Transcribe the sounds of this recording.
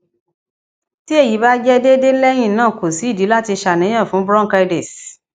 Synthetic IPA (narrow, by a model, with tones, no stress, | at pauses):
ti˦e˦˨ji˨˦ba˦d͡ʒɛ˦de˦de˦lɛ˦j̃ĩ˦˨nãː˦˨ko˨si˨˦i˦˨di˨˦la˦ti˧ʃa˧˨nɛ̃˨˦ã˦˨fũ˨˦bɾɔ̃˦˨ka˧de˨s